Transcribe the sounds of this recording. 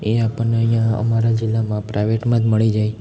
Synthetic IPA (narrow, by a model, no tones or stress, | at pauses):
eapəneəɦjjãə̰maɾad͡ʒilːamãpɾajʋeʈmãd͡ʒməɭid͡ʒaj